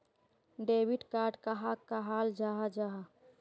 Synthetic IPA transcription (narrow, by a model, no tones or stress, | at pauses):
ɖeːbiʈkaːɾɖkaɦakːaɦaːld͡ʒaɦad͡ʒaɦa